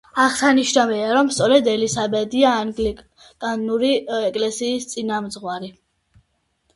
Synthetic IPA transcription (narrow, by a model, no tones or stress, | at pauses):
aʁsaniʃnavɛaɾɔmst̪sʼɔɾɛd̪ɛlisabɛd̪iaːŋɡli | kʼanuɾiɛkʼlɛsiːst̪sʼinamd̪zʁwaɾi